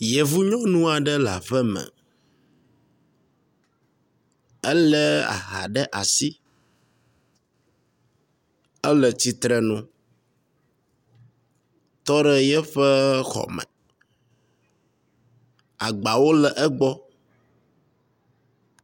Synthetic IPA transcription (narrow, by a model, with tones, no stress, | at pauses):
je˨vu˦ɲɔ̃˦nũ˦a˨ɖɛ˦la˨ɸɛ˦mɛ̰˨ | ɛ˦lɛ˦a̰˨ɦa̰˨ɖɛ˦ʔa˨si˦ | ə˦lɛ˨t͡ɕi˦t̪ɾɛ˨nũ˦ | t̪ɔ˦ɖɛ˦jɛ˦ɸɛ˦xɔ̰˨mɛ̰̃˨ | a˨ɡ͡ba˨wo˦lɛ˨ʔɛ˦ɡ͡bɔ˦